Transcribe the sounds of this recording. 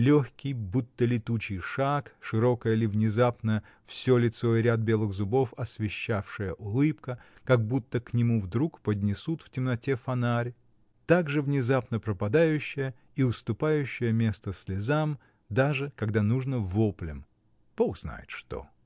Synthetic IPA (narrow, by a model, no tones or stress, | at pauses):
lʲoxʲkʲɪjbut̪ːəlʲɪt̪ut͡ɕɪjʂakʂɨɾo̞kəjəlʲɪvnʲɪzapnə | fsʲolʲɪt̪so̞ɪɾʲad̪̚bʲe̞lˠɨɣzʊbo̞fɐsvʲɪɕːafʂɨjəʔʊlˠɨpkəkɐɡ̚but̪ːəknʲɪmuvd̪ɾukpədʲnʲɪsut̪ftʲɪmnɐtʲefɐnaɾʲ | t̪aɡʐɨvnʲɪzapnəpɾəpɐd̪ajʉɕːɪjə | iʊst̪ʊpajʉɕːɪjəmʲe̞st̪əsʲlʲɪzam | d̪aʐɨkɐɡd̪anuʐnəvoplʲɪm | poɡz̥na̰jɪ̰t̪ʂt̪o̞̰